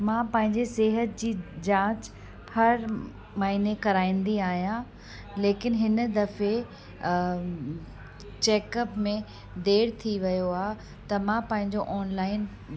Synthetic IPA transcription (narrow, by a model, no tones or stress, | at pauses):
mãpɐ̃ɦɪ̃ɲd͡ʑeseːɦət̪̚d͡ʑiːd͡ʑãːt͡ɕ | hɐɾ | maːɦinekɐɾaːĩːnd̪iaːɦijã | leːkɪnɦɪnəd̪ɐfe | t͡ɕeːkəpmẽ | d̪eːɽt̪ʰiʋɐjoaː | t̪ɐmãpɐ̃ɦɪ̃ɲd͡ʑoʔɔːnlaːɪn